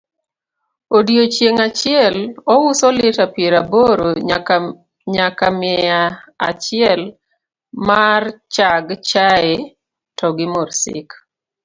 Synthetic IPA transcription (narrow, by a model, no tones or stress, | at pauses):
odiot͡ʃjeŋat͡ʃɪɛlɔwʊsɔlɪtapjeɾaboɾo | ɲakamɪaa̰t͡ʃɪɛl | mart͡ʃaɡt͡ʃae | tɔɡɪmorsɪ̰k